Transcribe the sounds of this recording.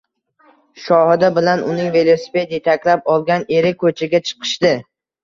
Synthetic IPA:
ʃɒhɪd̪abɪlanʔʊnɪŋve̞lˠosi̥ped̪et̪ʰakʲlapɒlˠɡʲane̞ɾɪkʰɵt͡ʃʰɪɡʲat͡ʃʰɨ̥qʰɨ̥ʃd̪ɪ

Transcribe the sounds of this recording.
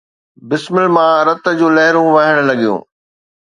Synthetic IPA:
bɪsmɪlmãɾɐt̪̆d͡ʑũːlɐɦɪɾũʋɐɦɪɽ̃̆lɐɡijṵ̃ː

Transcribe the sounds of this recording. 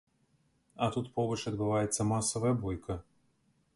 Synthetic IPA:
ɐt̪ut̪pɔbɐt͡ʃɐd̪bɨvajɛt̪sːɐmasɔvɐjɐbɔjkʰɐ

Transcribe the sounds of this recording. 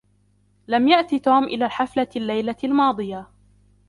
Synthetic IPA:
lamjaʔt̪it̪oːmʔɪlaːħaflalːajlalmɑːd̪ˤɨja

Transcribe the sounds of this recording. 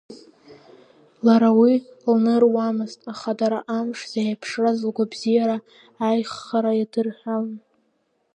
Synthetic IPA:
laɾawilnɨrwamɨztʼaχadaɾaʔamʂz̥ajapʰʂrazlɡʷabzijaɾaː | jχːaɾajadɨrħʷᶣaln

